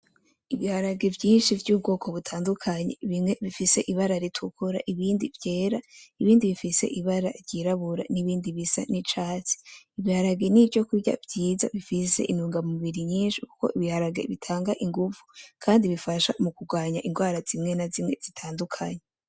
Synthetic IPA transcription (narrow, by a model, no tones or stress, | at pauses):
iβihaɾaɡe̞vɟiːnʃivɟuːb̚ɡo̞ːkʰo̞βutʰaːndukʰaɲeβimŋe̞βifise̞ʔiβaɾaɾitʰukʰuɾa̰ʔiβiːndivje̞ːɾaiβiːndiβifise̞̰ʔiβaɾa̰ɾɟiɾaβuɾa̰niβiːndiβisa̰nit͡ʃaːt͡si̥iβihaɾaɡe̞nivɟo̞kuɟa̰vɟiːza̰βifise̞̰ʔinuːŋɡamuuβiɾiɲiːnʃiku̥ko̞̰ʔiβihaɾaɡe̞̰βitʰaːŋɡaʔiŋɡuvukʰaːndiβifaʃa̰mukuɡwaːɲaʔiŋɡwaːɾaz̥imŋe̞nazimŋe̞z̥itʰaːndukʰaɲe